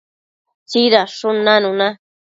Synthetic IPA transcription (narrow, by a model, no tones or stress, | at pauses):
t͡ʃiɾaʂʊnanʊ̃na